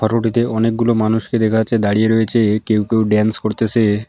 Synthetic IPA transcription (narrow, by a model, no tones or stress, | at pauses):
pʰɔɾoʈit̪eʔɔnek̚ɡulomanuʃked̪ekʰaat͡ɕʰed̪aɽijeɾoet͡ɕʰekewkewɖɛnskoɾt̪esʰe